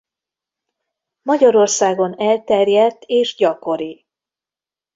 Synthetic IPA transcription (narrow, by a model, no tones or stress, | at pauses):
mɒɟɒɾo̞rsaːɡo̞nɛlt̪ɛrjɛt̪ʰːeːʒɟɒko̞ɾi